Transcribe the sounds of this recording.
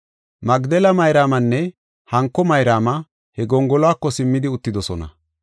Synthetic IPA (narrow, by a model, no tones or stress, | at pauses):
mɐɡd̪ɛlɐmɐjɾaːmɐnːɛ | hɐŋkːɔmɐjɾaːmɐ | hɛɡɔŋɡɔlɔaːkːɔsɪmːɪd̪ɪʊt̪ːɪd̪ɔsɔnɐ̰